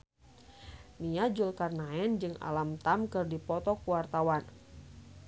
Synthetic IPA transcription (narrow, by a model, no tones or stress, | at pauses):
niad͡ʒulkarnaɛnd͡ʒɨŋa̰lamt̪amkɨrdipɔt̪ɔkuwart̪awan